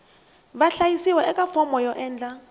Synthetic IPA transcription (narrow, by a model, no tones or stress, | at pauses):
baɬajisiwɛʔɛkʼafɔmɔjɔʔɛːnd͡ɮa